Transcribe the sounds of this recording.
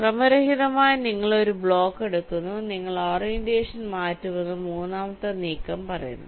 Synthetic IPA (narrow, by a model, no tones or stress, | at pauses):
krɐmɐɾɐɦiðɐmaːjɐniŋːɐɭo̞ɾubɭo̞ːkːe̞ɽukːunːuniŋːɐɭoːrjendeːʂɐnmaːtːuʋɐnːumuːnːaːmɐt̪ːɐniːkːɐmpɐrɐ̰jṵnːɐ